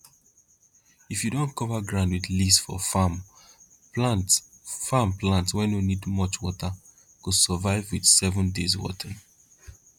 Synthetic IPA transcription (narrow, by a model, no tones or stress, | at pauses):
ifjudõnkɔvaɡɹãʊ̃ndwiðlisfɔ̰fam | pat | fãmplãntwɛ̃nunidmɔt͡ʃwɔta | kusəvaɪvwið̥sɛvə̃ndezwɔ̰təɹ̃